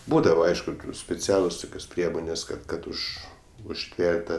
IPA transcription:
ˈbuːdɐʋɐ ˈɐɪʃkʊ sʲpʲɛˈt͡sʲæːlˠʊs ˈtʊkʲoːs ˈpʲrʲiɛmoːnʲeːs kɐt ˈkɐt ˈʊʃ ʊʃʲˈtʲʋʲɛrʲtʲ ˈtɑː

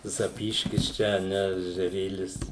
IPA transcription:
zɐˈpʲiːʃʲkʲɪs ˈt͡ʃʲɛ ɐ ˈnʲɛ ɛʒʲɛˈrʲeːlʲɪs

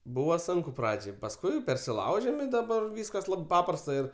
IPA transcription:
ˈbuːʋɐ ˈsʊŋkʊ ˈprɑːd͡ʒʲɛɪ pɐsˈkʊɪ pʲɛrʲsʲɪˈlˠɐʊʒʲɛm ɪ dɐˈbɐr ˈʋʲiːskɐs ˈlˠɐp ˈpɑːprɐstɐ ɪr

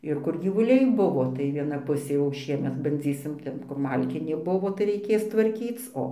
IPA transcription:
ˈɪr kʊr ɡʲiːʋʊˈlʲɛɪ ˈbʊʋoː tɐɪ ˈʋʲiɛnɐ ˈpʊsʲeː jɛʊ ˈʃʲiɛmʲɛt bɐnʲˈd͡zʲiːsʲɪm ˈtʲɛn kʊr ˈmɐlʲkʲɪnʲeː ˈbʊʋoː tɐɪ rɐɪˈkʲeːs tʋɐrʲˈkʲiːt͡s ˈoː

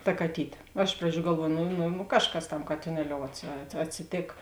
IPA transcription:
tɐ kɐˈtʲiːtʲeː nʊ ˈɪʃ prɐˌd͡ʒʲuː ɡɐlˠˈʋuɔjʊ nʊ nʊ nʊ ˈkɑːʃˌkɐs tɐm kɐtʲɪˈnʲæːlʲoːʊ ɐtʲsʲɪ ɐt ɐtʲsʲɪˈtʲeːk

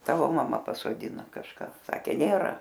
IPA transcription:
ˈtɑːʋoː mɐˈmɐ pɐsoːdʲɪˈnoː kɐʃˈkɑː ˈsɑːkʲeː ˈnʲeːrɐ

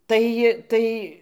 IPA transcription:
ˈtɐɪ ˈtɐɪ

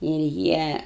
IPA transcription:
ɪr ˈjiɛ

